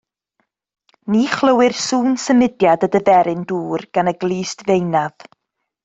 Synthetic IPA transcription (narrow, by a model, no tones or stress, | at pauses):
niχlˠəwɨrsuːnsəmɪdjadədəvɛɾɪnduːrɡ̥anəɡlˠiːstvejnað